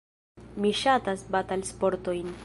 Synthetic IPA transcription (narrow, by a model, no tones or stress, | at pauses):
miʃatasbatalspo̞ɾto̞jn